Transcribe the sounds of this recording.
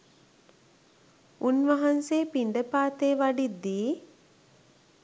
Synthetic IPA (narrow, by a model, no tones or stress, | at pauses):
unʋaɦanseːpiɳɖəpaːt̪eːʋaɖid̪ːiː